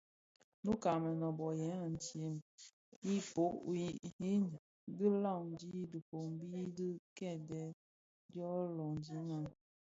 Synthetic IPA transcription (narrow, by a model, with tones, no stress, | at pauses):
nu˦ka˨mɛ˨nɔ˨bɔ˨jɛ˨˦a˨n̩˨tje˨m | i˦po˦ʔi˦i˦n˨ | di˦la˦˨n˨˦d͡ʒi˦du˨po˨m˦bi˦di˦kɛ˦˨dɛ˦ | djɔ˦lɔ˨ŋ˨d͡ʒi˦na˨n